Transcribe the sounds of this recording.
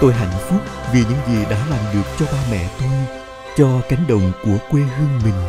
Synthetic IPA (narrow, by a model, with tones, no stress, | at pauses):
t̪o˧jɦa̰˧˨jŋ̟fʊ˦˥k͡p̚vi˨˩ɲɨ̰˧˥ŋzi˨˩ɗa̰ː˧˥laː˨˩mɗɨ˨˩ək̚t͡ɕɔ˧ɓaː˧mɛ̰˧˨t̪u˧n | t͡ɕɔ˧ka˨˦jŋ̟ɗə̰˧˨wŋ͡mku˧˩əkwe˧ɦɨ˧əŋmï˨˩ŋ̟